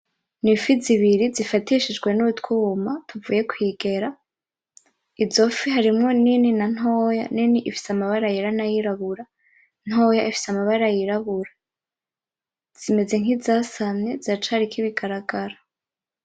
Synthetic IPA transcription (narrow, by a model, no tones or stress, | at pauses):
nifiziβiɾizifatiʃid͡ʒɡwe̞nuβutkumatʰuvuːje̞kwiːɡe̞ɾa | izo̞fiɦaɾimŋo̞nininan̥hoːjaniniʔifi̥samaβaɾajiɾanajiɾaβuɾa | n̥ho̞ːjaifi̥samaβaɾajiɾaβuɾa | z̥ime̞ze̞ŋizaːsamɲe̞zat͡ʃaɾikiβiɡaɾaɡaɾa